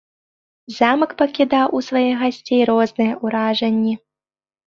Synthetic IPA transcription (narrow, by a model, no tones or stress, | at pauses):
zamɐkpɐkʲid̪awʔusvajɛɣasʲt͡sʲejɾɔznɨjɐʔuɾaʐɐnʲːi